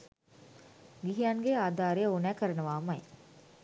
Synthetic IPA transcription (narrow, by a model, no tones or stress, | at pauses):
ɡiɦijanɡeaːd̪aːɾejəonæːkəɾənəʋaːmaj